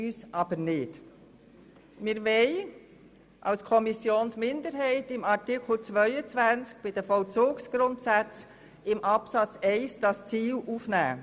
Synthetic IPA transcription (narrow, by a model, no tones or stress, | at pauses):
yːsʔɑb̥əɾnɪd | mɪɾvɛɪ | ʔɑ̰lskʰɔmisjoːnsmɪndəɾɦɛɪtɪmɑʁtɪkʰl̩t͡svœʏət͡svænt͡sk̚b̥ɪd̥əfɔlt͡suːksɡ̥ɾʊntsæt͡s | ɪmʔɑpsɑt͡sɛɪsd̥ɑst͡siːlʔuːfnæ̰ː